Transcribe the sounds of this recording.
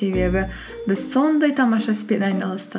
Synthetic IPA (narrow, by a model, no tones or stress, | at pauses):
e̞be̞bɪ | bɪzso̞nd̪ɑjt̪ʰɑmɑʃɑsɪ̥pet̪ɑjnɑlˠəst̪ə